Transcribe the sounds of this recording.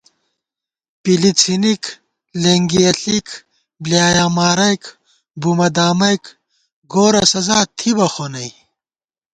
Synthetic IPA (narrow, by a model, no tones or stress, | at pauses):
pilit͡sʰinik | leŋɡiɐɬik | bljaːjaːmaːɾɐjk | bumɐd̪aːmɐjk | ɡoːɾɐsɐzaːt̪ʰibɐxonɐj